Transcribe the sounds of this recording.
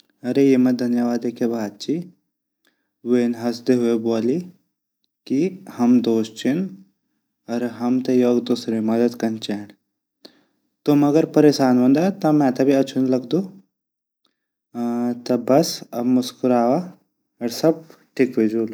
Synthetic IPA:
ɐɾejemɐd̪ʱɐnjɐʋaːd̪ekʰebʱaːd̪̚t͡ʃi | ʋeːnɦɐsd̪eɦuebuali | kihɐmd̪oːst͡ʃʰin | ɐɾɦɐmt̪ɐjoːɡd̪osɾemɐd̪ɐt̪kɐnt͡ʃaɳ | t̪omɐɡɐɾpɐɾeːsaːnʋɐnd̪at̪ɐmɛ̃t̪ɐbʱiɐt͡ʃʰunlɐɡd̪o | t̪ɐbɐsɐbmuskuɾaːʋa | ɐɾsɐb̚ʈʰikʋed͡ʒuːl

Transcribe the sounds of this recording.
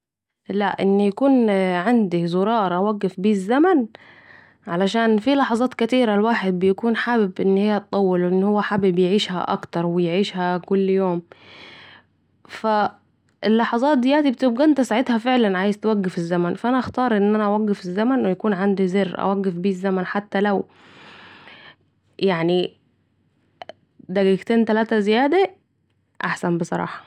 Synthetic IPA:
laʔʔɪnːjakuːnʕand̪izʊɾˤɑːɾˤʔawaɡːɪfbiːzːaman | ʕalaʃaːnfilɑħɑzˤɑːt̪kat̪iːɾalwaːħɪd̪̚bɪjakuːnħaːbɪbʔɪnːhɪjːæt̪t̪ˤːɑwːɪlwʔɪnːhʊwːaħaːbɪbjʕiːʃha̰ʔɑ̰kt̪ɑɾˤwɪjʕiːʃhakʊlːjoːm | fa | ʔelːɑħɑzˤɑːt̪̚d̪ɪjæːt̪ibet̪eb̚ɡæʔent̪æsaʕed̪hæfeʕlænʕaːjɪzt̪wæɡːefezːæmænfæʔænæʔæxt̪ɑːɾˤʔenːʔænæʔæwæɡːefezːæmænwejækuːnʕand̪izerːʔæ̰wæɡːefbiːzːæmænħat̪ːælæw | jaʕni | d̪æɡiɡt̪eːnt̪ælæːt̪æzɪjæːd̪æ | ʔaħsænbesˤɑɾˤɑ̰ːħɑ̥

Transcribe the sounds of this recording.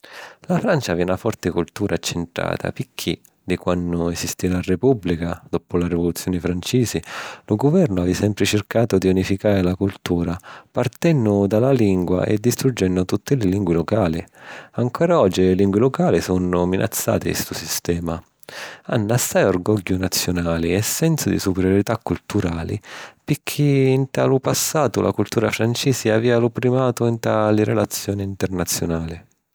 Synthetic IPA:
lafɾant͡ʃaviunafɔrt̪ɪkult̪uːɾʔaːt͡ʃːenʈ̪ɾa̰ːt̪ʰa̰pikʰːi | d̪ikwanːʊɛsist̪iɾarepublikad̪ɔpʊlaɾivolut̪sːjɔːnɪfɾant͡ʃiːzɪlʊɡʊvɛrnʊavisɛmpɾɪt͡ʃɪrkaːt̪ʊd̪iunifikaːɾɪlakult̪uːɾapart̪ɛnːʊd̪alaliŋɡwa̰ʔɛ̰d̪ːist̪ɾud͡ʒːɛnːʊt̪ut̪ːɪlɪliŋɡwilokaːliaŋkɔːɾaɔd͡ʒːiliŋɡwilɔkaːlisɔnːʊminʔa̰t̪sːa̰ːt̪ɪ̰st̪usist̪ɛːma | anːasːajɔrɡɔɟːʊnat̪sːjʊnaːliɛsːɛnsʊd̪ḭsupɛɾjoɾit̪akːult̪uɾaːlḭpɪkʰːiːnt̪a̰ːlʊpasːaːt̪ʊlʔa̰kult̪uːɾafɾant͡ʃiːsiaviːalʊpɾimaːt̪ʊint̪aliɾɛlat̪sːjɔːniːnt̪ɛrnat̪sːjʊnaːli

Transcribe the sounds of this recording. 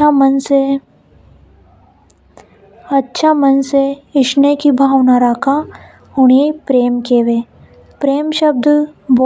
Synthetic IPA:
ɐnse | ɐtːʃʰamɐnseɪʃnekibʱaːʋnaɾaːkʰa | ʊɳ̃epɾeːmkeːʋeː | pɾeːmʃəb̚d̪bɔ

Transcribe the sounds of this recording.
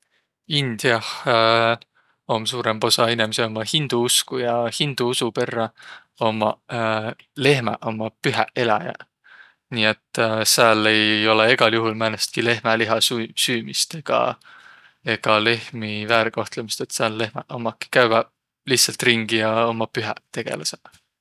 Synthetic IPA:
ind̪̥iɑh | o̞msuːɾembo̞sɑinemeseo̞mɑhind̪̥uuskujɑhind̪̥uusupe̞rːɑ | o̞mɑ̰ | le̞ɦmɑ̰ʔo̞mɑpyɦæʔe̞lɑ̰jɑ̰ | niːe̞t̪ːˑseæːlːe̞jo̞leeɡ̥ɑljuɦulmænest̪̚kile̞ɦmæliɦɑsusyːmist̪e̞ɡ̥ɑ̰ | e̞ɡ̥ɑle̞hmivæːɾiko̞ht̪lemist̪e̞t̪seælːe̞hmɑʔomɑkːˑi̥kæɥvɑ | liht̪sɑlt̪riŋɡ̥ijɑo̞mɑpyɦæt̪e̞ɡ̥e̞̰lɑse

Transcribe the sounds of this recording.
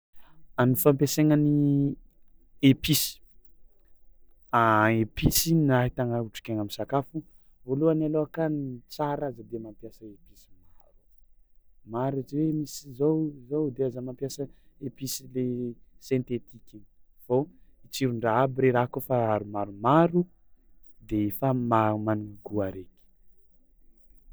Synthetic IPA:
anifampeseŋəni | episi̥ | aepisinaɦit̪aŋauʈ͡ʂi̥keŋamisakafu | voluanaloakanit͡saɾazəd̪emampjasəepisi̥maɾu | maɾat͡ʃiwemisizozowd̪eazamampjasəepisilesẽnt̪et̪iki | v̥oit͡siɾuɳɖ͡ʐaabiɾeɾakofaaɾumaɾumaɾu | d̪eefamaumanuŋaɡuaɾekʲi̥

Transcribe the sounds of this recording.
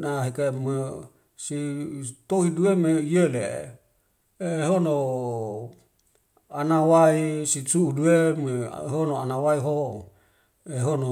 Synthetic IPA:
naɦekeme | sit̪oɦiduemeiele | eɦono | anawaisit͡ʃuuduemḛɦonoanawaiɦo | eɦono

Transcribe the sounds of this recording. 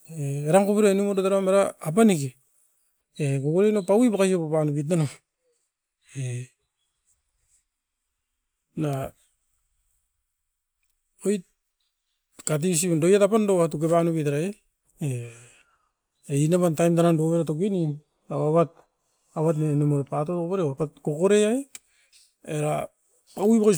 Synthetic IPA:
eeɾaŋkupiɾenumodotaɾamaɾaːp̬aneke | ekokuɾenopawibakasiopapanupit̬nano | e | na | ojt̚ | kat̬is̬indojatapandoatuk̬epanupitaɾae | e | einaβantajmtanandoβeɾatokeni | aβaβat̚ | aβat̬nenemoɾepatotoβeɾeapatkokoɾeae | eɾa | pawibaka

